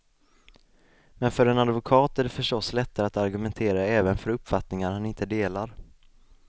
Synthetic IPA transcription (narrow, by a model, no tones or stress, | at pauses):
mɛnfœɾɛnad̪vʊkʰɑːt̪æɖɛfœʂʈɔslɛt̪ːaɾat̪aɾɡɵmɛnt̪ʰeːɾaɛːvənfœɾɵpːfat̪nɪŋaɾhanɪnt̪əd̪eːlaɾ